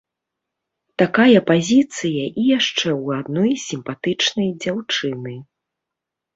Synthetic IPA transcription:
t̪akajɐpazʲit̪sɨjɐʔijaʂt͡ʂɛwad̪nɔjsʲimpat̪ɨt͡ʂnɐjd͡zʲawt͡ʂɨnɨ

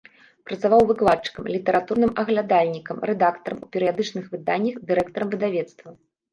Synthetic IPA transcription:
pɾɐt̪savawvɨklˠatt͡ʂːɨ̥kɐmlʲit̪ɛɾat̪urnɨmɐɣlʲad̪alʲnʲikɐmɾɛd̪akt̪ɐɾɐmupʲɛɾɨjad̪ɨt͡ʂnɨxvɨd̪anʲːɐxd̪ɨɾɛkt̪ɐɾɐmvɨd̪avʲɛt̪st̪vɐ

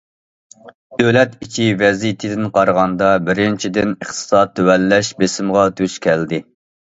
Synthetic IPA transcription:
d̪̥ølɛt̪it͡ʃʰivɛzijt̪ʰɪd̪ɪnqʰɑɾʁɑnd̪ɑbɪɾɪnt͡ʃʰid̪ɪnəχt̪ʰɨ̥sɑt̪ʰːøwɛlːɛʃbesɪmʁɑt̪ʰøʃkʲʰɛld̪ɪ

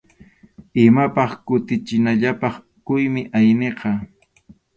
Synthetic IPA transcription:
ɪmapɑχkʊt̪ɪt͡ʃɪnaʎapɑχ | kʊjmɪʔajneqɑ

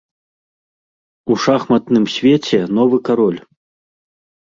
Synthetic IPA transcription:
uʂaxmɐt̪nɨmsʲvʲɛt͡sʲɛnɔvɨkaɾɔlʲ

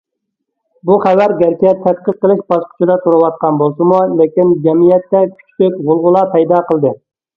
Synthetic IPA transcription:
buχæwæɾɡʲɛɾkʲʰɛt̪ʰːæt̪̚qət̪̚ːəlˠɪkʲbɑʃqʰʊ̥t͡ʃʰid̪ɛt̪ʰuɾɨwɑt̪̚qɑnbolˠsɨmulekʲind͡ʒɛmijɛt̪ːɛkʲʰy̥t͡ʃʰt̪ɪkʁʊlˠʁʊlˠɑpʰɛjd̪ɑqʰəlˠd̪ɨ

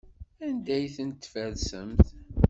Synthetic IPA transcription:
ænd̪æjθənt̪ːfæðsə̰mθ

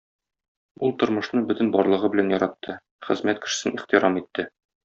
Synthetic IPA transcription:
ulˠt̪ŏɾmɤ̆ʃnɤbɵt̪ɘ̆nbɒɾlˠɤ̆ʁɤbɘ̆lænjɒɾɑt̪ʰːɤ | χɘ̆zmæt̪̚kɘ̥̆ʃɘ̥̆sɘniχt̪iɾɑmit̪ːɘ

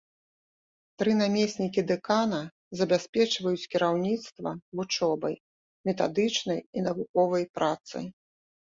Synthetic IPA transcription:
t̪ɾɨnamʲesʲnʲikʲid̪ɛkanɐ | zɐbʲasʲpʲɛt͡ʂvɐjut͡sʲkʲiɾawnʲit̪st̪vɐ̰vut͡ʂɔbɐ̰j | mʲɛt̪a̰d̪ɨt͡ʂnɐjinɐvukɔvɐjpɾʔat̪sɨ̰

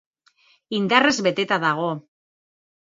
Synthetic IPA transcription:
ind̪are̞zβe̞t̪e̞t̪aðaɣ̞o̞

